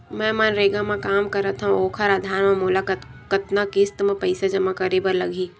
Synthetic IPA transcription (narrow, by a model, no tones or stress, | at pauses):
mɛ̃ːmɐnɾeːɡãmãkaːmkɐɾət̪ʰɦũoːkʰəɾaːd̪ʱaːɾmẽmʊlakət̪kət̪nakɪst̪mẽpɐɪsad͡ʒɐmakəɾiːbəɾlɐɡʱiː